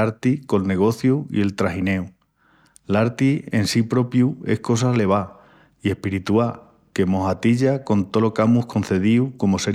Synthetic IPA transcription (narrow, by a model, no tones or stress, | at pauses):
aɾt̪iko̞lne̞ɣ̞o̞θjuḭe̞lt̪ɾaɦine̞u | laɾt̪ie̞nsipɾo̞pjue̞̰hko̞s̬ale̞β̞a | ie̞hpiɾit̪ua | ke̞mo̞ɦat̪iʎako̞nt̪o̞lo̞kamuhko̞n̟θe̞ð̞iuko̞mo̞se̞